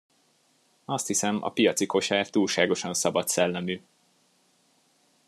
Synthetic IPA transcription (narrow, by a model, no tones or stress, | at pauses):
ɒst̪hisɛmɒ̰pijɒt̪siko̞ʃaːrt̪uːlʃaːɡo̞ʃɒnsɒbɒt̪sɛlːɛmyː